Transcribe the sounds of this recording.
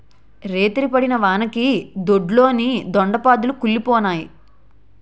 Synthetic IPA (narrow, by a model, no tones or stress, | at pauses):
ɾeːt̪iɾipɐɽinɐʋaːnɐkid̪oɖlo̞ːnid̪ɔɳɖɐpaːd̪ulukulːipɔːnaːji